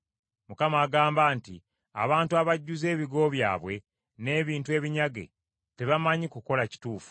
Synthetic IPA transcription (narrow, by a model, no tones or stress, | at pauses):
mukamaːɡaːmbaːnti | a̰βaːntuaβaɟːuze̞ːβiɡo̞βja̰ːβwe̞ | ne̞ːβiːntue̞ːβiɲaɡe̞̰ | te̞βamaɲikuko̞laci̥tuːfu̥